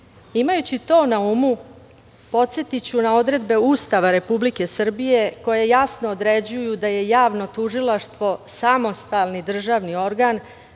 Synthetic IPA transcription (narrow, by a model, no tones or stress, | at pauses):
imajut͡ɕit̪o̞ːnaumu | po̞t̪se̞t̪it͡ɕunao̞d̪ɾe̞d̪be̞ust̪aʋaɾe̞publike̞sr̩bije̞ko̞je̞jasnoːd̪ɾe̞d͡ʑujud̪aje̞jaːʋno̞t̪uʒilaʃt̪ʋo̞samo̞st̪alnid̪r̩ʒaʋnio̞ɾɡan